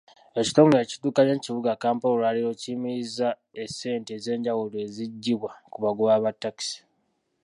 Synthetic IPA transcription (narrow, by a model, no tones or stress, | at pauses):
e̞ci̥toŋɡeci̥tuːkaɲeciβuɡakaːmpolaːlijocimiiza | ese̞ːnteze̞ːɲɟawulwe̞ːziɟːiβwakuβaɡuβaːβatːaki̥si̥